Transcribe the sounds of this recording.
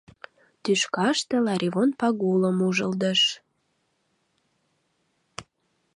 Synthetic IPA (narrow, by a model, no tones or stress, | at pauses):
t̪yʃkɑʃt̪ĕlɑɾʲivonpɑɣuləmuʒəld̪əʃ